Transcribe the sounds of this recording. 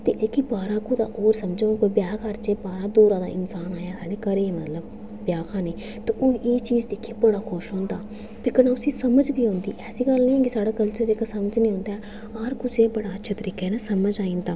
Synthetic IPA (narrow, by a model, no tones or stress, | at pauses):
t̪ḛːʔekibaːɾaːkuːd̪a̰ːʔoːɾsəmd͡ʒõːkoːbjaːkʰaːɾt͡ʃeːbaːɾaːd̪oːɾãːd̪a̰ːʔɪnsaːnaːjaːsaːɖeːkəɾeːeːmət̪ləb | bjaːkʰaːneː | t̪eːʔoːeːt͡ʃiːzd̪eːkʰeːbəɽaːxʰʊʃɦõːnd̪aː | t̪eːkənaːʊsĩːsəməd͡ʒbiːɦõːnd̪iːʔɛːsiːɡəlnĩːɛ̃ːkisaːɽaːkəlt͡ʃəɾd͡ʒeːkasəməd͡ʒnĩːɦõːnd̪aːɛː | aɾkʊseːbəɽaːətːʃʰeːt̪əɾiːkɛːnaːsəməd͡ʒaːĩːnd̪aː